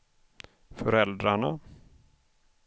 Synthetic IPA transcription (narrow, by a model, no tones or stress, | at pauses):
fœɾɛld̪ɾaɳa